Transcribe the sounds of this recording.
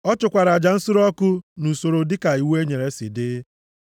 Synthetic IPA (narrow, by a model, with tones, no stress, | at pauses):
ɔ˦t͡ʃʊ˨kʷa˨ɾa˨d͡ʒa˨n̩˦sʊ˦ɾɔ˦kʊ˦nu˨so˨ɾo˨dɪ˦ka˨i˨we˦ɲe˨ɾe˦sɪ̰˨dɪ˦